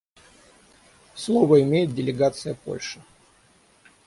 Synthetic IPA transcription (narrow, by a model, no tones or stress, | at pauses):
slˠo̞vəɪmʲejɪt̪̚dʲɪlʲɪɡat̪sɨjəpo̞̰lʲʂɨ̥